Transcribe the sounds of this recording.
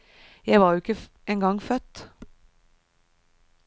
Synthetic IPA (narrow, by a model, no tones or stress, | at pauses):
jæɪʋɑːɾjʊɪkə | eːŋɡɑŋfœt̪